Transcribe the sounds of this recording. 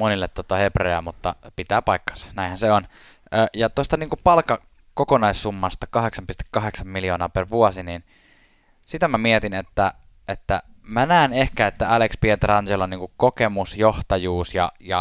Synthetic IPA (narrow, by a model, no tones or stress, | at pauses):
monilːet̪ːot̪ɑhepreæmut̪ːɑ̰pit̪æːpɑikːɑ̥snæˑinhænseon | əːjɑt̪ost̪ɑniːŋkupɑlkːɑ | kokonɑisːumːɑst̪ɑkɑheksɑmpist̪e̥kːɑɦeksɑmmiljoːnɑːperʋuosinin | sit̪æmæmiet̪inet̪ːæ | et̪ːæ̰mænæˑenehkæet̪ːæælekspiet̪erɑnseloniːŋkukkokemusjoht̪ɑjuːsjɑ̰jɑ̰